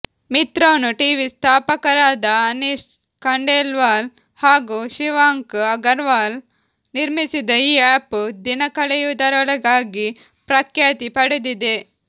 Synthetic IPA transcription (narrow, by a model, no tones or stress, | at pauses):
mit̪ɾoːnuʈiːʋist̪ʰaːpɐkɐɾaːd̪ɐɐnis | kɐɳɖeːlʋaːl | haːɡuːʃiʋaːŋkɐɡɐɾʋaːl | niɾmisid̪ɐiːaːpud̪inɐkɐɭɛjud̪ɐɾɔɭɐɡaːɡi | pɾɐkʰjaːt̪ipɐɽud̪id̪e